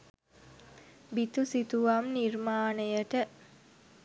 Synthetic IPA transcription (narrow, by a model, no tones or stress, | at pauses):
bit̪usit̪uʋamnirmaːnəjəʈə